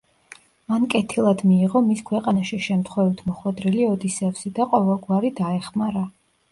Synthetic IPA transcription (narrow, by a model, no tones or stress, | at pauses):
mankʼɛt̪ʰilˠad̪miːʁɔmiskʰwɛqʼanaʃiʃɛmt̪ʰχwɛvit̪ʰmɔχwɛd̪ɾɛliɔd̪isɛvsid̪aqʼɔvɛlˠɡwaɾid̪aɛχmaɾa